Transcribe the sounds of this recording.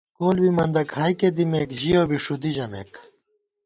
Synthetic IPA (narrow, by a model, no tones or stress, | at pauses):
koːlbimɐnd̪ɐkhaːjked̪imekʑijoːbiʂud̪iʑɐmḛːk